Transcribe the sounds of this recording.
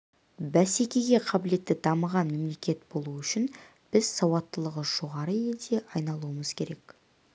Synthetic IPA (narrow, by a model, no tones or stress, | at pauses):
bæsekʲe̞ɡʲe̞qʰɑbɪle̞t̪ːɪd̪ɑməʁɑnme̞mle̞kʲe̞t̪b̥o̞lˠuʏʃɪn | b̥ɪz̥sɑwɑt̪ːəlˠəʁəʒ̥o̞ʁɑɾəe̞ld̪e̞ʔɑjnɑlˠuəməz̥kʲʰe̞ɾe̞k